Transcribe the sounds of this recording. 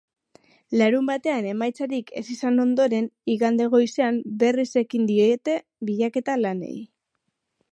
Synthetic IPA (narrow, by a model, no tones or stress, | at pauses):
laɾumbat̪e̞ane̞majt͡saɾike̞̰sisano̞nd̪o̞ɾe̞niɣand̪e̞ɣ̞o̞jse̞ambe̞rise̞kind̪iet̪e̞ | βiʎake̞t̪alane̞̰j